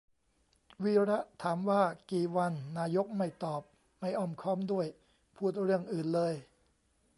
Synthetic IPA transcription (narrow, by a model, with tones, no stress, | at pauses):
wiː˦˧˥ɾa˦˥t̪ʰaː˩˦mwaː˥˩kiː˨˩wa˧nːaː˧jo˦˥k̚ma˥˩jt̪ɔː˨˩p̚ | ma˥˩jʔɔː˧˩mkʰɔː˥˩mdu˥˩əj | pʰuː˥˩t̪̚ɾɯ˥˩əŋʔɯː˨˩nlɤː˧j